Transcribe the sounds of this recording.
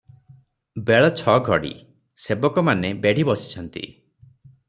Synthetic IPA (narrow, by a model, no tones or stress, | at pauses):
beɭɔt͡ʃʰɔɡʱɔɽḭ | sebɔkɔmanebeɽ̤ʱibɔsi̥t͡ʃʰɔnt̪ḭ